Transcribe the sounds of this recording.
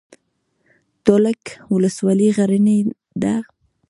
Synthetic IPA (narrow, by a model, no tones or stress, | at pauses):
t̪olakwʊləswɑliɣaɾəne | d̪a